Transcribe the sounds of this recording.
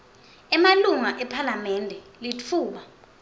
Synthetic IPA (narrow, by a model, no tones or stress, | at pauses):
ɛmaluŋaʔɛpʰalamɛndʱɛ | lit͡fʰuːɓa